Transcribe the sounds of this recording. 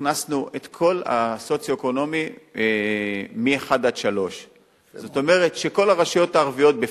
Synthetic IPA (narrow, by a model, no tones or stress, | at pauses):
nasnuʔet̪kʰo̞la̰so̞t͡sjoeko̞no̞mi | mieχad̪ad̪ʃalo̞ʃ | zo̞t̪o̞me̞ʁetʃeko̞laʁaʃijo̞t̪aːʁvijo̞t̪̚be